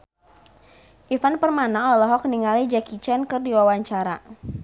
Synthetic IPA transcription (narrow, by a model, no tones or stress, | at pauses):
ʔifanpərmanaɔlɔɦɔk̚niŋalid͡ʒakit͡ʃɛnkɨrdiwawaɲt͡ʃaɾa